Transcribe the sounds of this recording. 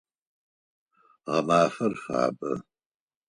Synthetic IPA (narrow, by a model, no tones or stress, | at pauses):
ʁɐmaːfɐrfa̰ːbɐ̰